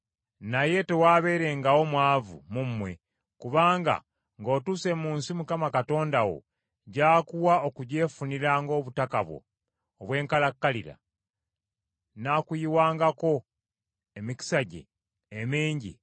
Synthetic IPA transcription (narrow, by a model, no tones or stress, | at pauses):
naje̞te̞waːβe̞ɾe̞ŋɡawo̞mwaːvṵmumwe̞̰ | kuβaːŋɡa̰ | ŋɡo̞ːtuse̞muːnsimukamakato̞ːndawo̞̰ | ɟaːkuwaokuɟe̞ːfuniɾaŋɡo̞ːβutakaβwo̞̰ː | βwe̞ːŋkalakːaliɾa̰ | nakujiwaːŋɡako̞ | emiki̥saɟḛː | meːɲɟḭ